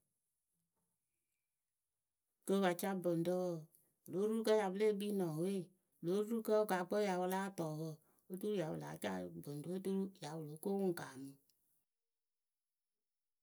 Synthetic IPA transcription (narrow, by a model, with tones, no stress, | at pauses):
kə˧˦wa˨t͡ʃa˦bə˨ndə˦wə˦˨ | lo˨˦ɾu˦kə˦ja˨bə˦le˦˨˦bi˦nɔ̃˨we˦˨ | lo˨˦ɾu˦kə˦o˦ka˨˦k͡pə˦ja˨wə˧la˦tɔː˨wə˧˨ | o˦tu˦ɾu˦ja˨wə˨la̰˨˦t͡ʃa̰˦˨bə˨n˨do˦o˦tu˦ɾu˦ja˨˦wu˨lo˨˦ko˦wu˦ŋ̩˨kaː˨mɨ˨